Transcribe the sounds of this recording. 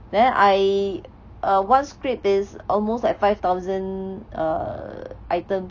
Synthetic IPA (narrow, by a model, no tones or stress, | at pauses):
dɛ̃nʔaj | ʔʌwãnskɹipɪsʔɔlmoslajkfajft̪aʊzə̃na̰ | ʔajtə̃m